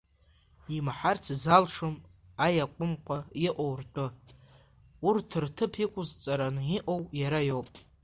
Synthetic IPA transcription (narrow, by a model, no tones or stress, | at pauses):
imħart͡sʰzalʂom | ajakʷʼʊmqʷʼaiʔʷowrtʷʼɨ | urtʰɨrtʰɨpʰikʷʼʊzt͡sʼaɾanɨiʔo̞wjaɾajowpʼ